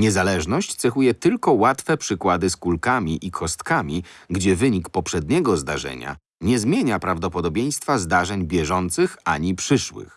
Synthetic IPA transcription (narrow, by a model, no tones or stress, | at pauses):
ɲɛzalɛʐnɔɕt͡ɕt̪sɛxujɛt̪ɘlkɔwat̪fɛpʂɘkwad̪ɘskulkamʲiʔikʰɔst̪kamʲiɡd͡ʑɛvɘɲikpɔpʂɛd̪ɲɛɡɔzd̪aʐɛ̰ɲa̰ | ɲɛzmʲjeɲapɾavd̪ɔpɔd̪ɔbʲjej̃st̪fazd̪aʐɛɲbʲjɛʐɔnt̪sɘxaɲipʂɘʂwɘ̰x